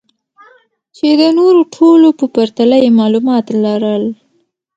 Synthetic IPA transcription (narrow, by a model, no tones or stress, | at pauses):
t͡ʃed̪ənoɾoʈʰolopəpaɾt̪alajemɑlumɑt̪lɑɾəl